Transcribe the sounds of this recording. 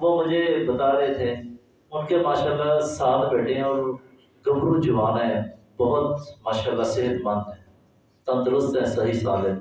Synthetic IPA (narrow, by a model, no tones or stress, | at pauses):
ʋoːmʊd͡ʒʱeːbət̪aːɾeːt̪ʰeː | ʊnkeːmaːʃaːlːaːsaːlbɛːʈʰẽːɔːɾ | ɡəbɾuːd͡ʒʊʋaːnɦɛ̃ː | bəɦʊt̪maːʃaːlːaːsɪɦət̪mənd̪ɛ̃ː | t̪ə̃nd̪əɾʊst̪ɦɛ̃ːsəɦiːsaːlɛ̃